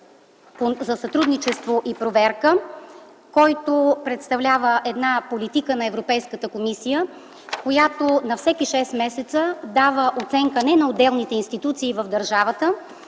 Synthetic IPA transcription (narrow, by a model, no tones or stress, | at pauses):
pozɐsɐt̪ɾud̪nit͡ʃɛst̪voʔipɾovɛɾkə | kɔjt̪opɾɛt̪st̪ɐvlʲavəʔɛd̪napolit̪ikənɐɛvɾopɛjskət̪əkomisijə | kojat̪onɐfsɛkiʃɛsmɛsɛt̪səd̪avəʔot̪sɛŋkənɛnɐod̪ɛlˠnit̪ɛinst̪it̪ut̪siːvəvd̪ɐɾʒavət̪ə